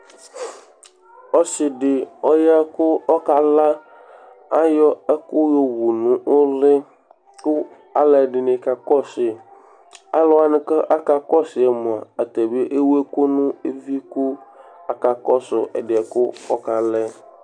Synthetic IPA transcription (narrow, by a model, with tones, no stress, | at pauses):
ɔ˦sɪ˨ɖɪ˨ɔ˦ja˦kʊ˦ɔ˦ka˨la˦ | a˦jɔ˦ɛ˦kʊ˦jo˦wu˨nũ˨o˦lɪ˦ | kʊ˦ | a˨lɛ˨ɖɪ˨nẽ˨ka˨kɔ˦sɪ˨ | a˦lɔ˦a˨nʊ̃˦ke˦ʔa˦ka˨kɔ˦sɪ˨ɛ˨mõ˨a̰˨a˨t̪e˨be˦ʔe˦wu˦e˦ko˦nũ˦e˦vi˦ku˦a˨ka˨kɔ˦sʊ̰˨ʔɛ̰˨ɖɪ˨ɛ˨kʊ˦ɔ˦ka˨lɛ˦